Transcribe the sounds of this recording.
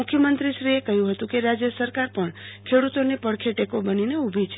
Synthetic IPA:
mukʰːjəmənt̪ɾiʃɾiekəɦjũɦət̪ũkeɾad͡ʒjəsəɾkaɾpəɳkʰeɽut̪onepəɽkʰeʈekobənineubʱit͡ʃʰe

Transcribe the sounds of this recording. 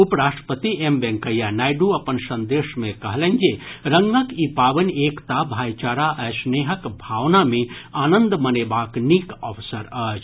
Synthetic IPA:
upɾaːʃʈɾə̥pət̪iembɛ̃ŋkəjanajɖuɐpənsə̃nd̪eʃmekəɦlə̃nd͡ʒeɾəŋɡəkipaʋənekt̪abʱajt͡ʃaːɾaʔəsneːɦəkbʱaʋnamẽaːnə̃nd̪mənebaknikəʋsəɾət͡ʃʰ

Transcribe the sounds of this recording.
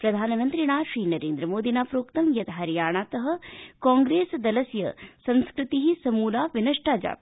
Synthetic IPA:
pɾɐd̪ʱaːnɐmɐnt̪ɾiɳ̃aːʃɾiːnɐɾeːnd̪ɾɐmoːd̪ʱinaːpɾoːkt̪ɐmjɐt̪ɦɐɾjaːɳ̃aːt̪ɐɦɐ̆kaːŋɡɾeːsd̪ɐlɐsjɐ̰sɐ̃nskɾɪt̪iɦisɐmuːlaːʋinɐʂʈaːd͡ʒa̰ː

